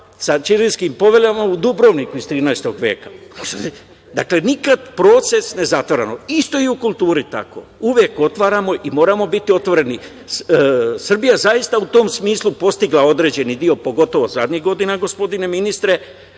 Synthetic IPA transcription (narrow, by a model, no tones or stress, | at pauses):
sat͡ʃiɾinskimpo̞ʋe̞lʲamaud̪ubɾo̞ʋnikuizt̪ɾiːnaest̪o̞ɡʋje̞ːkḁ | d̪akle̞nikad̪pɾo̞t̪se̞sne̞zat̪ʋoɾanoist̪o̞iukulˠt̪uːɾit̪a̰ko̞̰uʋje̞ko̞t̪ʋaːɾamo̞ʔimo̞ːɾamo̞bit̪io̞t̪ʋo̞ɾe̞ni | sr̩bijazaist̪aut̪o̞msmiːslupo̞st̪iɡlao̞d̪ɾe̞ːd͡ʑe̞nid̪io̞po̞ɡo̞t̪o̞ʋo̞zad̪ɲiɣɡo̞d̪inaɡo̞spo̞d̪ine̞minist̪ɾe̞